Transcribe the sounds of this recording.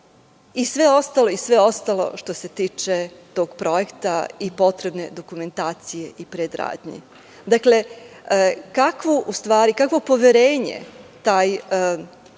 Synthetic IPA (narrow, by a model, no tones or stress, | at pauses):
isʋe̞o̞st̪alo̞isʋe̞o̞st̪alo̞̰ʃt̪o̞se̞t̪iːt͡ʃe̞t̪o̞ːɡ̥pɾo̞je̞kt̪aipo̞t̪ɾe̞bne̞d̪o̞kume̞nt̪aːt̪sije̞ʔipɾed̪ɾa̰ːd̪ɲḭ | d̪akle̞ | kakʋoʔust̪ʋaːɾikakʋo̞po̞ʋeɾeːɲḛt̪aːj